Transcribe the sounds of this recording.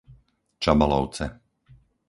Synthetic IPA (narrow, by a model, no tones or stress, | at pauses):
t͡ʃabalɔʊt͡sɛ